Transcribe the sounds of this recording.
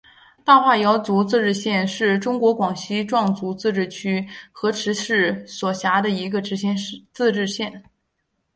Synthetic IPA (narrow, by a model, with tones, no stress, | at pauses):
t̪a˥˧xwa˥˩jɑ˧˥ʊt͡su˧˥t͡sɹ̩˥˧ʈ͡ʂɻ̩˥˧ɕjɛ˥˧nʂɻ̩˥˩ʈ͡ʂʊ˥ŋkwɔ˧˥kwɑ˨˩ŋɕi˥ʈ͡ʂwɑ˥˩ŋt͡su˧˥t͡sɹ̩˥˧ʈ͡ʂɻ̩˥˩t͡ɕʰy˥xɤ˧˥ʈ͡ʂʰɻ̩˧˥ʂɻ̩˥˩swɔ˨˩ɕja˧˥d̪ə˧i˧˥ɡə˧ʈ͡ʂɻ̩˧˥ɕɛ˥˧n˥t͡sɹ̩˥˧ʈ͡ʂɻ̩˥˧ɕjɛ˥˩n